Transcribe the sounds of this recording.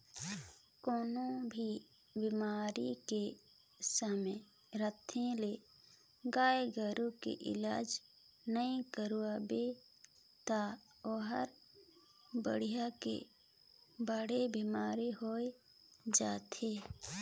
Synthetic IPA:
koːnobʱi | bimaːɾike | səme | ɾət̪ʰẽle | ɡaːeɡəɾukḛʔɪ̰laːd͡ʒ | nəĩkəɾuabe | t̪a | oːɦəɾ | bə̰ɽ̤ijakḛ | bəɽebimaːɾiɦoe | d͡ʒaːt̪ʰeː

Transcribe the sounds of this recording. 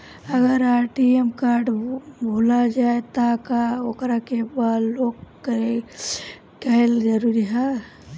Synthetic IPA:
əɡəɾaʈiemkaɾɖbʱolad͡ʒaet̪akaokɾakebad̪loɡkɾe | kəɦeld͡ʒəɾuɾiɦɛ

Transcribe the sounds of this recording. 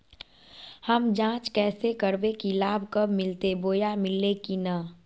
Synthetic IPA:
həmd͡ʒãːt͡ʃkɛːsekəɾbekilaːbʱkəbʱmɪlt̪eboːjamɪlekina

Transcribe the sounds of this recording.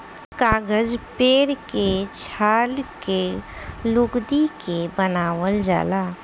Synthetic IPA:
kaːɡəd͡ʒpeːɾket͡ʃʰaːlkelʊkd̪ikebənaːʋəld͡ʒa̰ːlaː

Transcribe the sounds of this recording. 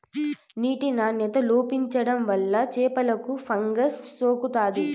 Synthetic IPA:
niːʈinaːnjɐt̪ɐloːpiɲt͡ʃɐɽɐmʋɐlːɐt͡ʃɛːpɐlɐkupʰɐŋɡɐsːoːkut̪aːd̪i

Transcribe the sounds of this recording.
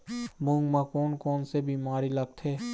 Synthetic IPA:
mʊ̃ŋɡmãkɔːnkɔːnsebiːmaːɾilɐɡ̚t̪ʰeː

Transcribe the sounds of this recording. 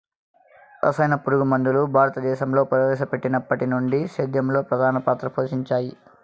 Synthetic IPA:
ɐ̰sɐjnɐpuɾuɡumɐnd̪ulubʱaːɾɐt̪ɐd̪ɛːʃɐmlo̞ːpɐɾɐʋɛːʃɐpe̞ʈːinɐpːɐʈinuɳɖiʃɐd̪jɐmlo̞ːpɾɐd̪ʱaːnɐpaːt̪ɾɐpʰoːʃiɲt͡ʃaːji

